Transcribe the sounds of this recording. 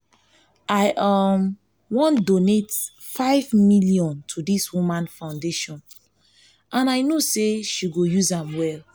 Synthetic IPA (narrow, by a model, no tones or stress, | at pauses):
aɪʔam | wɔ̃ndonet | faɪvmiljɔ̃ntʰudiswumãnfãʊ̃ndeʃɔ̃n | ʔãnaɪnoseʃiɡojuzãmwɛl